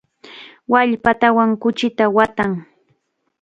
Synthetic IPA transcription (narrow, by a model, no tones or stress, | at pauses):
waʎpat̪awaŋkʊt͡ʃɪt̪awat̪aŋ